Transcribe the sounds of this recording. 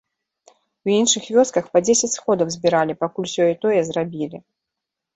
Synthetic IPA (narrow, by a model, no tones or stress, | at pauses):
winʂɨxvʲɔskɐxpɐd͡zʲesʲɐt͡sʲsxɔd̪ɐwzʲbʲiɾalʲipakulʲsʲɔit̪ɔjɛzrabʲilʲi